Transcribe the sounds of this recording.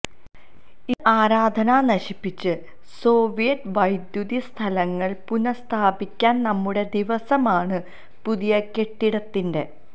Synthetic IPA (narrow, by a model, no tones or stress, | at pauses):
iʔaːɾaːd̪ʱɐnanɐɕipːit͡ɕːɨ | so̞ːʋijɐtʋɐjd̪juðist̪ʰɐlɐŋːɐɭpunɐst̪ʰaːbikʲːaːnnɐmːuɽe̞d̪iʋɐsɐmaːɳɨ | puðijɐke̞ʈːiɽɐt̪ːinde̞